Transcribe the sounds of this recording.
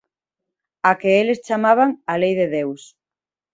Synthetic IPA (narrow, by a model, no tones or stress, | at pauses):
akeelest͡ʃamaβ̞aŋalejðeðews